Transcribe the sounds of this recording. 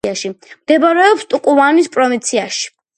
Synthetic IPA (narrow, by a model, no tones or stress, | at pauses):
aʃimd̪̥ɛbaɾɛɔpst̪ʼukʼuvanispʼɾɔvĩnt̪sʰiaʃi̥